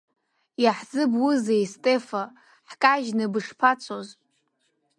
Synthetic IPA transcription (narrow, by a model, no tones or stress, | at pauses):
jaħzɨbwuzejstʼefa | ħkʼaʒnɨbɨʂpʰat͡sʷʰoz